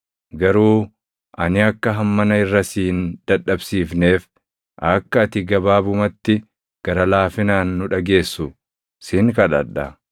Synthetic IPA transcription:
ɡɐɾuː | ʔɐnɪɐkːɐɦɐmːɐnɐɪrːɐsiːnd̪̥ɐᶑːɐbsiːfne̞ːf | ʔɐkːɐːt̪ɪɡɐbaːbʊmɐt̪ːɪ | ɡ̥ɐɾɐlaːfɪnaːnːʊᶑɐɡe̞ːsːʊ | siŋkɐᶑɐᶑːɐ

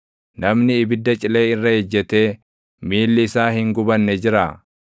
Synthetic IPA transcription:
nɐmnɪːbɪd̪ːɐt͡ʃʼɪle̞ːɪrːɐhɛd͡ʒːɛt̪e̞ː | miːlːɪːsaːhɪŋɡʊbɐnːɛd͡ʒɪɾa

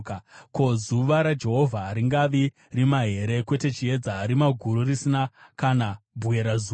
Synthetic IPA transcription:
kako̞zuʋaɾad͡ʒe̞ɦo̞vʱaɾiŋɡaʋi | rimaɦe̞ɾe̞kwe̞te̞t͡ʃie̞d͡zaːɾimaɡʱuɾurisinakanabʱuwe̞ɾazu

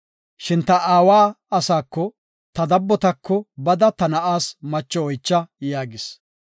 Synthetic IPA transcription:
ʃɪnt̪ɐʔaːwaː | ɐsaːkːɔ | t̪ɐd̪ɐbːɔt̪ɐkːɔbɐd̪ɐt̪ɐnɐʔaːsmɐt͡ʃːɔɔjt͡ʃːɐjaːɡɪs

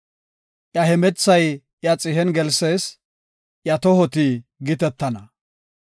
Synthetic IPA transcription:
ʔjɐhɛmɛt͡sːɐj | ʔjɐt͡sʼɪɦɛnɡɛlseːs | ʔjɐt̪ɔhɔt̪iɡɪt̪ɛt̪ːɐnɐ

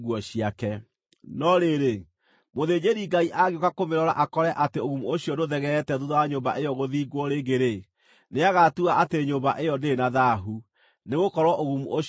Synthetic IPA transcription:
ɣwɔɕiakɛ | nɔɾeɾe | moðed͡ʑeɾiɡaiʔaɣeokakomeɾɔɾa̰ʔakɔɾɛʔateoɣumuoɕjɔdoðɛɣɛtɛðuðɔwaɲoːmba̰ʔejɔɣoðiːɡwɔɾeɡeɾe | neaɣatuaʔateeɲoːmbaʔejɔndeːnaðaɦu | neɣokɔɾwɔʔoɣumuʔo

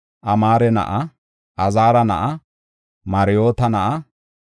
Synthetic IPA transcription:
ʔɐmaːɾɛnɐ̰ʔɐ | ʔɐzaːɾɐnɐ̰ʔɐ | mɐɾɪjo̞ːt̪ɐnɐʔɐ

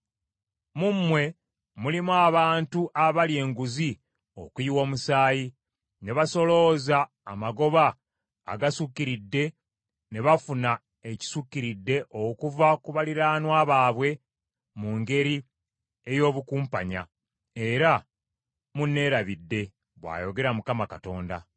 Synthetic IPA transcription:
mumːwe̞ | mulimuaβaːntuʔaβalje̞ːŋɡuzi | o̰kwiwo̞ːmusaːji | ne̞βaso̞lo̞za̰ː | maɡo̞βa̰ː | ɡasukːiɾidːe̞ | ne̞βafuna | e̞ci̥sukːiɾidːe̞ʔo̞kuvakuβaliɾaːnwaːβaːβwe̞ | muŋɡe̞ɾi | ejo̞ːβukuːmpaɲa̰ | e̞ɾa | munːe̞ːɾaβidːe̞ | βwa̰ːjo̞ɡe̞ɾamukamakato̞ːnda̰

